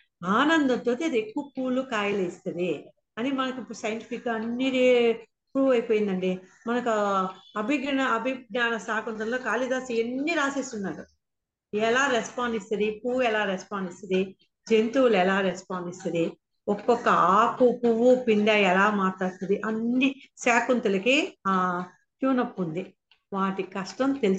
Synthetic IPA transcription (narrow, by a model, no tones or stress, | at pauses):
aːnɐnd̪ɐt̪ːoːt̪eɐd̪ekːuʋɐpuːlːukaːjɐlɐist̪ɐd̪i | ɐnimɐnɐkuipːuɾsɐjɐɳʈipikɡaɐnːiɾe | pɾuːʋɐjpoːjind̪ɐɳɖi | mɐnɐkuɐbʱiɡɐnɐɐbʱiɡnaːnɐsaːkunt̪ɐmlo̞ːkaːlid̪aːsienːiɾaːsesunːaːɾu | ɛlaːɾespaːɳɖist̪ɐd̪ipuwuɛlaːɾespaːɳɖist̪ɐd̪i | d͡ʒent̪uːlɛlaːɾespaːɳɖist̪ɐd̪i | ɔkːɔkːɐaːkupuwupind̪aːjɛlaːmaːʈlaːɽt̪ɐd̪iʔɐnːisaːkunt̪ulɐki | tjuːnɐpːund̪i | ʋaːʈikɐʂʈɐmt̪elu